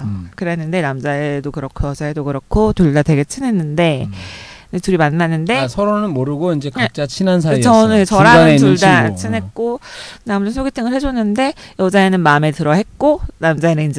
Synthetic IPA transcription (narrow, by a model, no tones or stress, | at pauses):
kɯɾeɦenːɯnde̞namd͡ʑaedokɯɾʌkʰojʌd͡ʑaedokɯɾʌkʰotuɭdadwe̞ɡe̞t͡ɕʰɯne̞nːɯnde̞ | etuɾimanːanːɯnde̞sʰʌɾonɯnmoɾɯɡoind͡ʑe̞kat͡ɕ͈at͡ɕʰinans̬ʰaɾit͡ɕʌnɯt͡ɕʌɾaatuɭdat͡ɕʰɯnɦet̚k͈onamunɯnsʰoɡetʰɯŋɯɭhe̞d͡ʑonːɯnde̞jʌd͡ʑae̞nɯnmametɯɾʌhe̞t̚k͈onamd͡ʑaenɯnind͡ʑe